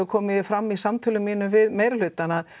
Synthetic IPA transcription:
ʏɾkʰɔːmɪfɾamːisamt̪ʰʏlʏmːiːnʏmvɪðmeːjɾlʏːt̪anað

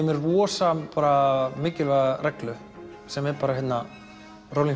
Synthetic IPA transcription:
mɛɾvɔːsampaːɾamɪːcɪlvaːðarɛklʏ | sɛmɛɾpaːɾaɦɛt̪na | rowliŋ

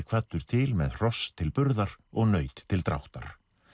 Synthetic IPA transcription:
kʰv̥at̪ːʏɾ̥t̪ʰɪlmɛðr̥ɔst̪ʰːɪlpʏɾðaɾ̥ɔɣnœːɥt̪ʰːɪlt̪ɾa̰wht̪a̰ɾ̥

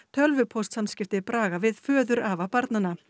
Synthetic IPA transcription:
t̪ʰœlvʏpʰɔst̪samscɪft̪ɪpɾaːɣavɪðfœːðʏɾavapaɾt̪nana

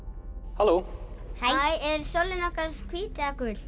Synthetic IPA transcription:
halohajajɛɾ̥solɪnɔkaɾ̥skʰviːt̪ɪðakʏl̥

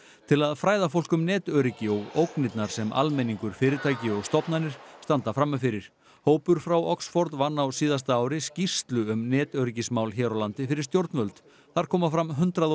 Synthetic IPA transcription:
t̪ʰɪlaðfɾaːjðafowlkʏmnɛːt̪œɾɪcɪɔɣowknɪt̪naɾ̥sɛmʔa̰lmɛniŋkʏɾ̥fɪːɾɪt̪ʰaːjcɪɔɣst̪ɔpnanɪɾ̥st̪ant̪afɾamːafɪɾɪɾ̥ | hoːwpʏɾ̥fɾawɔksfɔɾt̪vanːawsiːðast̪aaːwɾɪscist̪lʏʏmnɛːt̪œɾɪcɪsmaːwlçɛɾawlant̪ɪfɪɾɪɾ̥st̪jowɾt̪nvœlt̪ | θaɾ̥kʰɔːmafɾamɦʏnt̪ɾað

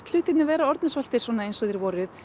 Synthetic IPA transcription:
t̪l̥ʏːt̪ɪt̪nʏvɛːɾaɔɾt̪nɪsvœl̥t̪ɪɾ̥svɔːnaejnsœðɪɾvɔːɾʏð

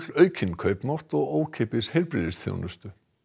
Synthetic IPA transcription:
lœːɥcʰɪnkʰœɥpnawht̪ɔɣoːwcʰepɪshejlpɾɪ̰ːðɪsθjo̰wnʏst̪ʏ

